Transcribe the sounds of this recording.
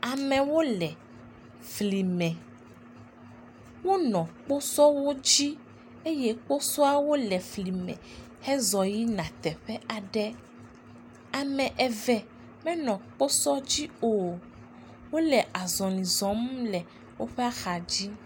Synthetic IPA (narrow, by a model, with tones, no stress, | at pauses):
a˨mɛ̃˨wo˦lɛ˨ | fli˨mɛ̃˨ | wo˦nɔ̃˨k͡po˦sɔ˦wo˦d͡ʑi˦ | e˦jɛ˦k͡po˦sɔ˦a˦wo˦lɛ˨fli˨mɛ̰̃˨ | hɛ˦zɔ˨ji˦nã˨t̪ɛ˨ɸɛ˦ʔa˨ɖɛ˦ | a˨mɛ̃˨ʔɛ˨vɛ˨ | mɛ̃˦nɔ̃˨k͡po˦sɔ˦d͡ʑi˦o˨ | wo˦lɛ˨ʔa˨zɔ̃˨nĩ˨zɔ̃˨˦m˦lɛ˨ | wo˦ɸɛ˦a˦xa˨d͡ʑi˦